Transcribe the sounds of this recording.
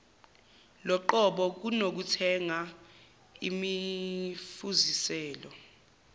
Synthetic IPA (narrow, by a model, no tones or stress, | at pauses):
lɔǃɔɓɔk̬unok̬utʰɛŋa | imi | fuzisɛːlɔ